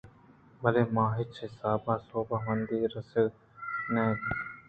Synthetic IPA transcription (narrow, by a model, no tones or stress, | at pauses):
bʱəleːmãːɦɪt͡ʃesaːbaːsoːbaːmənd̪iːɾəsə | nẽː